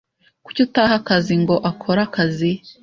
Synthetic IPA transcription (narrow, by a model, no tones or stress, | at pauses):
kucotahakaziŋɡo̞ʔakʰo̞ɾakazi